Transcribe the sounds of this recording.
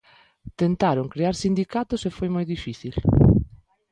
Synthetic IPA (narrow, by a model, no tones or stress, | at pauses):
t̪ent̪aɾoŋkɾeaɾsind̪ikat̪ʊsefojmojðifiθil